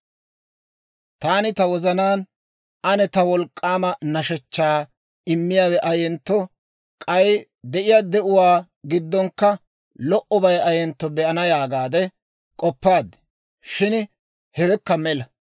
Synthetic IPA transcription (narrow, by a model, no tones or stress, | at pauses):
t̪aːnɪt̪ɐwɔzɐnaːn | ɐnɛt̪ɐwɔlkʼːaːmɐnɐʃɛt͡ʃːaː | ɪmːɪjaːwɛʔɐjɛnt̪ːɔ | kʼɐj | d̪ɛʔɪjad̪ɛʔʊwaː | ɡɪd̪ːɔŋkːɐ | lɔʔɔbɐjɐjɛnt̪ːɔbɛʔɐnɐjaːɡaːd̪ɛ | kʼɔpːaːd̪ɛ̥ | ʃɪn | hɛwɛkːɐmɛlɐ